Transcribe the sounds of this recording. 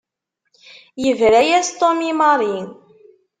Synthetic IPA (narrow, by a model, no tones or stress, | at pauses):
jəvɾæjæst̪ˤomimɑɾˤin